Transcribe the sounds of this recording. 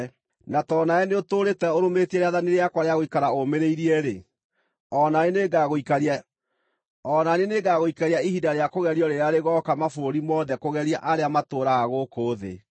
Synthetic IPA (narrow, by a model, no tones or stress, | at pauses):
natɔːnaɛneotoːɾetɛoɾometiɛɾeaðaneɾeakwaɾeaɣoikaɾaomeɾeiɾiɛɾe | ɔnaeneɡaɣoikaɾia | ɔnaneneɡaɣoikaɾiaiɦidaɾeakoɣɛɾiɔɾeɾeaɾeɣɔkamafooɾimɔðɛkoɣɛɾiaʔaɾeamatoːɾaɣaɣokoːðḛ